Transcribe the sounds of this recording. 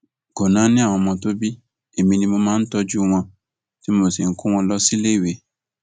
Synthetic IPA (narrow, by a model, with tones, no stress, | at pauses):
ko˨nã˨˦nĩ˦a˦˨w̃ɔ̃˧mɔ̃˧to˦bi˦ | e˨mĩ˧nĩ˧mo˧mãː˦n̩˦tɔ˧d͡ʒu˦w̃ɔ̃˧ | ti˦mo˨si˨ŋ̩˦ku˦w̃ɔ̃˧lɔ˦si˦le˦˨we˨˦